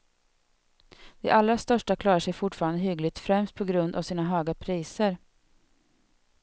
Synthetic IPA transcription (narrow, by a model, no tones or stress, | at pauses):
d̪̥ɛ̰ʔalːɾast̪œʂʈakʰlɑːɾaʂɛjfʊʈfɑːɾand̪əɦʏɡlɪɡ̚t̪fɾɛmst̪̚pʰɔɡɾɵnd̪a̰vsiːnaɦøːɡapʰɾiːsəɾ